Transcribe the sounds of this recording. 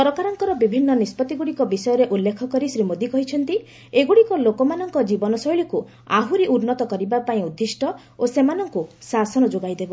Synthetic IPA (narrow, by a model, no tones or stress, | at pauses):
pɔɾɔkaɾɔŋkɔɾɔbibʱinːɔnispɔt̪iɡuɽikɔbisɔjɔɾeʔulːekʰɔkɔɾisɾimod̪ikɔɦit͡ʃʰɔnt̪i | eɡuɽikɔlokɔmanɔŋkɔd͡ʒibɔnɔsɔjɭiku | aɦuɾiʔuɾnɔt̪ɔkɔɾibapaĩud̪ʱːisʈɔ | osemanɔŋkusasɔnɔd͡ʒoɡajd̪ebɔ